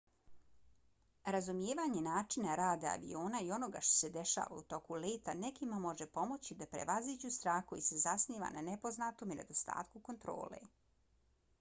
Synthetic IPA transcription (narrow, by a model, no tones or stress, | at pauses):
ɾazumjeːʋaːɲe̞naːt͡ʂinaɾaːd̪aa̰ʋḭo̞ːnaio̞no̞ɡa̰ʃt̪o̞̥se̞d̪e̞ʃa̰ːʋa̰ut̪o̞kuleːt̪anekimamo̞ʒepo̞mo̞t͡ɕid̪apɾḛʋaziːd͡ʑust̪ɾaːxkoise̞zasniːʋa̰nanepo̞znat̪o̞mine̞̰d̪o̞st̪a̰ːt̪̚kuko̞nt̪ɾo̰ːlḛ